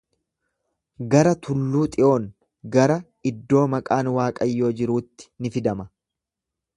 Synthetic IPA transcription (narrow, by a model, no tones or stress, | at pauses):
ɡɐɾɐt̪ʰʊlːuːt̪ʼɪʔo̞ːŋ | ɡɐɾɐ | ɪd̪ːo̞ːmɐkʼaːnwaːkʼɐjːo̞ːd͡ʒɪɾuːt̪ːɪ̥nɪfɪd̪ɐmɐ